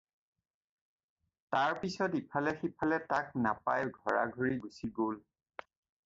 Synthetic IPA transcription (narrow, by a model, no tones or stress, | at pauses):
taɹpisɔtipʰalɛxipʰalɛtak̚napajɡʱɔɹa̰ɡʱoɹiɡusiɡol